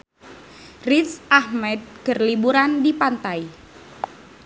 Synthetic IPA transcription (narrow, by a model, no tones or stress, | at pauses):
rit̪sʔahmɛd̪̚kərlibuɾandipant̪aj